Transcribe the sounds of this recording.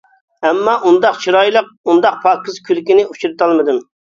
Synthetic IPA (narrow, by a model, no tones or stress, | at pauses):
ɛmːɑʔund̪ɑqt͡ʃʰiɾɑjlˠəq̚und̪ɑq̚pʰɑkʲɨzkʲʰylkʲinɪut͡ʃʰuɾɨt̪ʰɑlˠmɨd̪ɨm